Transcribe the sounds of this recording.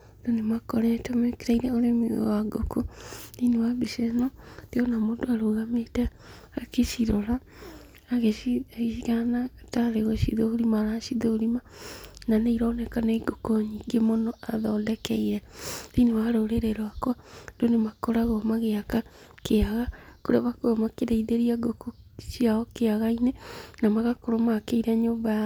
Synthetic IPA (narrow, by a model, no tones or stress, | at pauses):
donemakɔɾɛtɔmekeɾaiɾɛoɾemḭwaɡo̰koninewabiʃɛnɔd̥eɔnamodoaɾoɣametaːkeʃiɾɔɾaː | ɣeʃikaanataɾeɣɔʃḭðoɾimaɾaʃiðoɾimananeiɾaːnɛkaneiɡokoɲiɡemonoaðɔːndɛkɛiɾɛinewaɾoɾeɾeɾoakwandonemakoɾaɣomaɣeakakeaɣakoɾeaβakoɔmakeɾeiðeɾiaɡokoʃiaɔkeaɣainenamaɣakoɾomakeiɾaɲoːmbaja